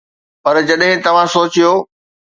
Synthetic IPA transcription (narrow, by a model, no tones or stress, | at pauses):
pɐɾd͡ʑɐɗɦɪ̃t̪ɐʋ̤ãsoːt͡ɕijoː